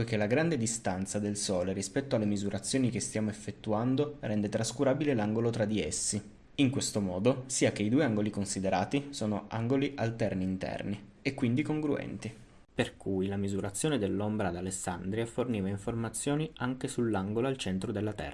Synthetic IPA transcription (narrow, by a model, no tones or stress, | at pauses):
ekelːaɡɾand̪ed̪ist̪ant̪sad̪elsɔːleɾispɛt̪ːoalːemizuɾʔat̪sːjoːnik̟est̪jaːmoefːet̪ːuand̪orɛnd̪et̪ɾaskuɾaːbilelaŋɡolot̪ɾad̪iesːi | iŋkwest̪omɔːd̪osiːakeid̪uːeaŋɡolikonsid̪eɾaːt̪isoːnoa̰ŋɡoliʔalt̪ɛrniːnt̪ɛ̰rni | ekːwind̪ikoŋɡɾuɛ̰nt̪i | perkʰujlamizuɾat̪sːjoːned̪elːombɾad̪alesːand̪ɾiaforniːvaiɱformat̪sːjoːniʔaŋk̟esulːaŋɡoloalt͡ʃɛnt̪ɾod̪elːat̪ɛ̰ra